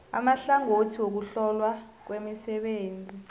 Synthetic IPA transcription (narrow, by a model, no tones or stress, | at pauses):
a̰maɬaŋotʰiwok̬uɬɔlwa | k̬wemisɛɓeːnd͡zʱi